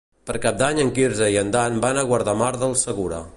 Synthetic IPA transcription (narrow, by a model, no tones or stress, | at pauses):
pəɾkap̚d̪aɲəŋkiɾzəiənd̪anbanəɣwəɾðamaɾðəlˠsəɣuɾə̰